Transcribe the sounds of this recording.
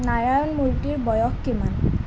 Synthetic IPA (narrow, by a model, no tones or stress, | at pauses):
naɹajɔnmulʈiɾbɔjokkiman